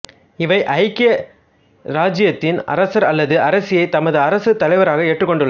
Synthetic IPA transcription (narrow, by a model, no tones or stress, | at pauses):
ɪʋɐɪʔɐɪkːɐ | ɾaːd͡ʒɪjɐt̪ːɪnɐ̰ɾɐsɐɾɐlːɐðɯɐɾɐsɪjɐɪt̪ɐmɐðɯɐɾɐsɯt̪ɐɭɐɪʋɐɾaːɣɐeːʈrɯkːɔɳɖɯɭlːɐ